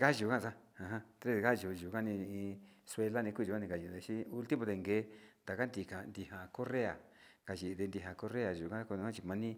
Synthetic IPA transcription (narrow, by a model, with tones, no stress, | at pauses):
ka˦ʒu˨kã˦˧sa˦ã˨ɦã˦t̪ɾe˦˧ka˦ʒu˨ʒu˨ka˦nĩ˧ĩ˧swe˧la˦nĩ˧ku˦˧ʒu˨ka˦nĩ˧ka˨ʒi˨d̪e˧˨ʃi˦u˧˦˧lt̪i˦mõ˧d̪e˧˨˧ŋɡeː˨˦nd̪a˨ka˦nd̪i˧ka˨nd̪i˧ha˨ko˦re˦a̰˨ | ka˨ʒi˨˧d̪e˧nd̪i˧˨ɦa˨ko˦re˦a˨ʒu˨kã˦kõ˧˦ã˦t͡ʃi˧mã˧nĩ˦